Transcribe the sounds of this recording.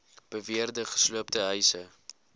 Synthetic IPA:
b̥əviərdəχə̥sluəp̚təɦœjsə

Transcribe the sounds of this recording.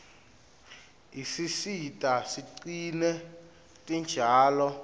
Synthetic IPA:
isisitʼasiǀinɛ | tʼind͡ʒʱaːlɔ

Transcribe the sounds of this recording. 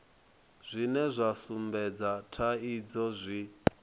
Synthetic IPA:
z̥ʷinɛzʷasumbɛd͡zatʰaid͡zɔzʷi

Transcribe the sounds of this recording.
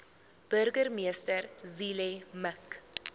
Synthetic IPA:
b̥ərɡərmiəstərzilemək

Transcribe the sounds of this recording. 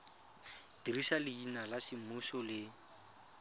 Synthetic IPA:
d̥irisalɪinalasɪmuʃɔlɪ

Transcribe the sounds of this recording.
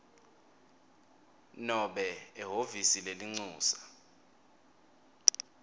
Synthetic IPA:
nɔɓɛːɦovisileliŋ͡ǀuːsḁ

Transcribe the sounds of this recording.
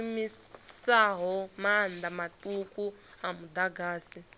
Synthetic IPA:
mi | saɦɔmand̪amatʼukuamud̪aɡaːsi

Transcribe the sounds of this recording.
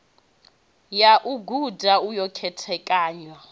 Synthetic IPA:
jaʔuɡʱudʱaujɔkʰɛtʰɛkʼaːɲɔ

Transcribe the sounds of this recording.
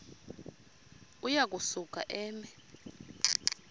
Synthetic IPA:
ujak̬ʼusukʼa̰ʔɛːmɛ

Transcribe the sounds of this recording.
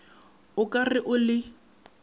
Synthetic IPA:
ʊkʼarɪʔʊlɪ

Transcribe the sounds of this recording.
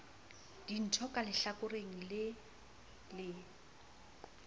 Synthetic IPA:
d̥in̩tʰɔkʼalɪɬakʼʊreŋ̩lɪ | lɪ

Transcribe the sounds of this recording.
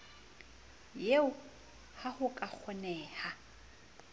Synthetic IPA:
jeʊ | hahʊkʼak͡xʰɔnɛːha

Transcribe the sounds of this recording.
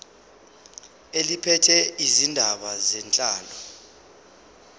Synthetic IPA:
elipʰɛtʰɛizindʱaɓazɛnt͡ɬʼaːlɔ

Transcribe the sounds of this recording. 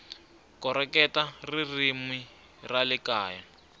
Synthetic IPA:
kɔɾɛkɛtaririmwi | ralɪkaːja

